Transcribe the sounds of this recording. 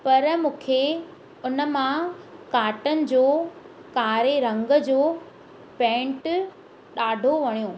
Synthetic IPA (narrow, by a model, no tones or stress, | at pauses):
pɐɾmũːkʰe | ʊnə̆mãkaːʈənɪ̆d͡ʑoː | kaːɾeɾɐ̃ŋɡə̆d͡ʑoː | pɛ̃ːɳʈ | ɗaːɖʱoʋɐɽ̃ijoː